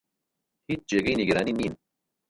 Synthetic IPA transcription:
hiːt͡ʃd͡ʑeɡiiniɡeɾaːniniːn

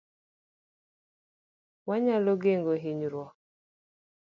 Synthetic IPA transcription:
waɲaloɡeŋɡoɦiɲɾwɔ

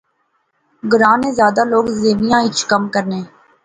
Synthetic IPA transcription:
ɡʊɾãːnẽːzjaːd̪aloːɡzeːʋijãːɪt͡ʃʰkəmkəɾnẽː

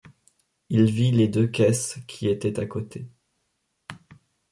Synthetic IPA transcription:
ilviled̪økʲɛskʲʰiet̪ɛt̪akot̪ʰe

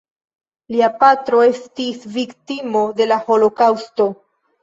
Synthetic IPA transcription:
liapatɾo̞e̞stisviktimode̞laho̞lo̞kawsto̞

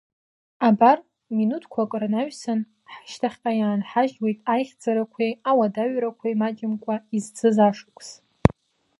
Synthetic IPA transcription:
abar | minutʰkʷʰakʼranaɥsan | ħʃtʰaχʲqʼajaːnħaʒwejtʼajχʲd͡zaɾakʷʰejawadaɥɾakʷʰajmad͡ʒɪmkʷʼaizt͡sʰɨzaʂkʷʼs

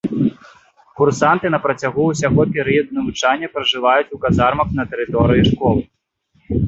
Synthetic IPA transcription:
kursant̪ɨnɐpɾɐt͡sʲaɣuusʲaɣɔpʲɛɾɨjɐd̪unɐvut͡ʂanʲːɐpɾɐʐɨvajut͡sʲukazarmɐknɐt̪ɛɾɨt̪ɔɾɨjiʂkɔlˠɨ

